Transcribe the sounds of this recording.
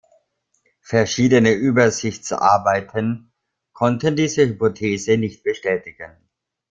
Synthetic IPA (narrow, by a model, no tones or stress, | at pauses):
fɛɐʃiːdənəʔyːbɐzɪçt͡sʔa̰ɐbaɪtʰən | kʰɔntəndiːzəhypotʰeːzənɪçt̚b̥əʃtɛːtɪɡ̥ən